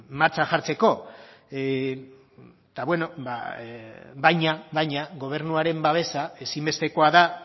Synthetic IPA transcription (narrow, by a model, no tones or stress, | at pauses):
maɾt͡saʝaɾt͡se̞ko̞ | t̪aβwe̞no̞ba̰ | βajɲaβajɲaɣo̞β̞e̞ɾnuaɾe̞mbaβ̞e̞sae̞simbe̞st̪e̞ko̞aða